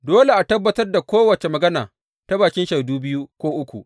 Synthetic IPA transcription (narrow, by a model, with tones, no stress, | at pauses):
doː˦le˨ʔa˨tɐ˦bːɐ˦tɐ˦rda˨kʷoː˦wɐ˨t͡ʃe˨mɐ˨ɡɐ˦na̰ː˨ | ta˦baː˨kʲɪ˦nʃe˨duː˦bɪ˦ju˦kʷoː˦ʔʊ˦kʷṵ˨ʔ